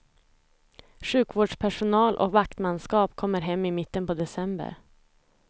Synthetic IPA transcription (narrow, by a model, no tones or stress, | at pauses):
ʂʉ̟ːkvoːɖʂpʰæʂʊnɑːlʔɔ̰kvakt̪manskɑːpkʰɔmːəɾɦɛmːɪmɪt̪ːənpʰɔd̪ɛsɛmbə̰ɾ